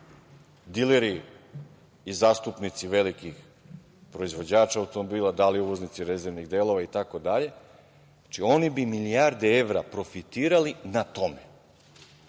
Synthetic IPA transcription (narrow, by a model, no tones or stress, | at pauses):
d̪ileɾi | izaːst̪upnit̪siʋe̞likix | pɾo̞izʋo̞d͡ʑaːt͡ʃaːwt̪omobiːlˠad̪aliuʋo̞znit̪siɾezeɾʋniɣd̪eːlˠo̞ʋait̪ako̞d̪aʎe̞ | t͡ʃio̞nibimiliaɾd̪eeʋɾapɾo̞fit̪iːɾalinat̪o̞me